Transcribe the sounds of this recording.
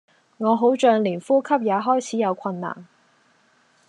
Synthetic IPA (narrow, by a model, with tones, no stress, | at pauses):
ŋɔː˨˧ɦo˨˥wt͡ʃœː˧ŋliː˨˩nfuː˥kʰɐ˥p̚jaː˨˧ɦɔː˥jt͡sʰiː˨˥jɐ˨˧wkʰɐ˧nːa̰ː˨˩n